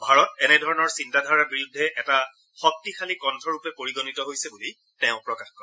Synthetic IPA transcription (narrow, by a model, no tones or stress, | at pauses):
bʱaɹɔtɛnɛdʱɔɹɔnɔɹsintadʱaɹabiɹudʱːɛʔɛta | xɔk̚tixʰalikɔntʰɔɹupɛpoɹiɡɔnitɔɦojsɛbuli | tɛʊ̃pɹɔkaxkɔɹɛ